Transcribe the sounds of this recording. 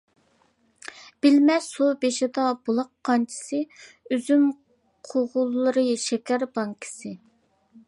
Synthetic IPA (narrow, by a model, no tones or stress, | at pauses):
b̥ɪlmɛsobeʃɪd̪ɑbolˠɑqʰːɑnt͡ʃʰi̥sɨ | øzym | qʰoʁʊlˠːɨɾɨʃɛkʲʰæɾbɑŋkʰɪ̥sɨ